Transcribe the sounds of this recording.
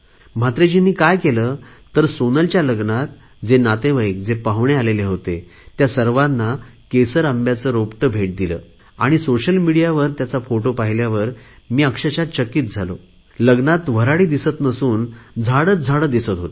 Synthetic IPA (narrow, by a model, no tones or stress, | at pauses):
m̤at̪ɾed͡ʑinːiːkajkelət̪əɾsonəlt͡ɕjaləɡnat̪ | d͡zenat̪ẽʋəjk̚d͡zepaɦʋɳealeleɦot̪e | t̪jasəɾʋanːakesəɾəmbjat͡səːɾopʈəbʱeʈ̚d̪ilə̰ː | aɽ̃isoɕəlmiɽijaʋəɾt̪jat͡safoʈopaɦiljaʋəɾ | miːəkʂət͡ɕat̪t͡ɕəkːiːt̪̚d͡zʱalo̰ | ləɡnat̪ʋ̤əɾaɽiːd̪isət̪nəsuːnd͡zʱaɽət̪̚d͡zʱaɽəd̪isət̪ɦot̪